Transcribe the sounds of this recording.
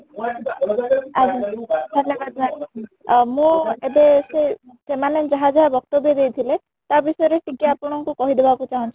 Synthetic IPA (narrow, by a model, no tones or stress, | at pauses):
ad̪ʱɔnd̪ʱɔnjɔbad̪̚na | mũebese | semaned͡ʒaɦad͡ʒaɦabɔk̚t̪ɔbjɔd̪ejt̪ʰile | t̪abisɔjɔɾeʈikiapɔɽ̃ɔŋkukɔɦid̪ebakut͡ʃaɦũnt͡ʃʰi